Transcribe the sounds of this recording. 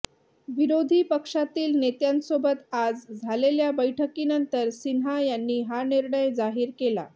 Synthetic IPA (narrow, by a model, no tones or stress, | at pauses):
ʋiɾod̪ʱiːpəkʂat̪iːlnet̪jãnsobət̪ad͡zd͡zʱaleljabəjʈʰəkiːnənt̪əɾsinɦajanːiːɦaniɾɳəjd͡zaɦiːɾkela̰